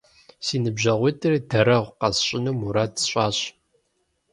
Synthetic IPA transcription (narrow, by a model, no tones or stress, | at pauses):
siːnɨbʑɐʁʷitʰʼɨridɐɾɐʁʷqɐsɕʼɪnuːmuɾaːtɕʼɑːɕ